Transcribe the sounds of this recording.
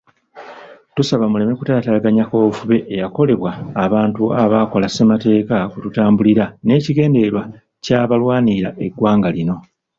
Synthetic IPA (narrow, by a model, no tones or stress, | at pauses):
tusaβamule̞me̞kutaːtaɡaɲako̞ːvuβe̞ʔːjako̞le̞βwaːβaːntuaβaːko̞lase̞mate̞ːkakututaːmbuliɾane̞ːciɡe̞ːnde̞ɾwa | caβalwaːniɾaʔe̞ɡwaːŋɡalino̞